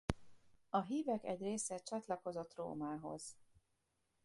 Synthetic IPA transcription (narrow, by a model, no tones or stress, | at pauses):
ɒɦiːvɛkɛ̰ɟreːsɛt͡ʃɒt̪lɒko̞zo̞t̪ro̰ːmaːɦo̞̰z̥